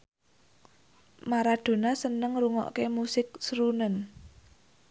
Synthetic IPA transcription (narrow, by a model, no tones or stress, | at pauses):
maɾad̪̥o̤nasənəŋruŋɔ̰ʔkemusɪk̚sɾunən